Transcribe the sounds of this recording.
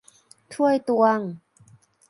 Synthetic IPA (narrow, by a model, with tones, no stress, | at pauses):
t̪ʰu˥˩ə˨jt̪wa˧˩ŋ